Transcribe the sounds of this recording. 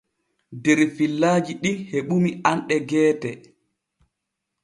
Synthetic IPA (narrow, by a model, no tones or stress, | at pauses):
dɛɾfilːaːd͡ʒiɗiheɓumianɗɛɡɛːtɛ